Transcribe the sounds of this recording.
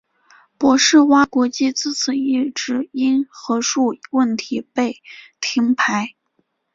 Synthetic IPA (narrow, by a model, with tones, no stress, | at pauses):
pwɔ˧˥ʂɻ̩˥˩wa˥kwɔ˧˥t͡ɕi˥˧t͡sɹ̩˥˩t͡sʰɹ̩˨˩i˥˩ʈ͡ʂɻ̩˥˩i˥nxɤ˧˥ʂu˥˩wə˥˩nt̪ʰi˧˥pe˥˩ɪt̪ʰi˧˥ŋpʰa˧˥ɪ